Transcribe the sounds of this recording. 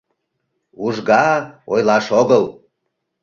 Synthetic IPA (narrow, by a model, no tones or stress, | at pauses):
uʒɣɑojlɑʃoɣəlˠ